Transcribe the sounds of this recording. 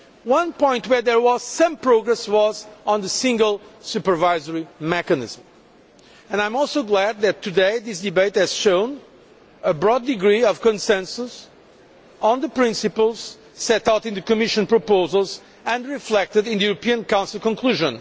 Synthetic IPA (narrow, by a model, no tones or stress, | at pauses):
wʌ̃npɔ̃ɪ̃ntwə˞ðə˞wɔz̥sʌ̃mpɹoɡɹɛswɔzɔ̃nðəsɪ̃ŋɡəlˠsupə˞vaɪzəɹimɛkɨnɪ̰z̥m̩ | ɨ̃nãɪ̃mɔlˠsoʊɡlæd̪̚ðɨt̪ʰːɨd̪eɪðɪsd̪ɨbeɪthɨz̥ʃõʊ̃n | əbɹɔd̪ːɨɡɹiʌv̥kɨ̃nsɛ̃nsus | ə̃nðəpɹɪ̃nsɨpəlˠz̥ | sɛtaʊtɨ̃nðɨkɨmɪʃɨ̃npɹəpoʊzəlˠz | ɨ̃ndɹiflɛk̚t̪ɨdɪ̃nðɨjuɹəpiɨ̃nkãw̃nsl̩ˠkɔ̃nkʰluʒə̃n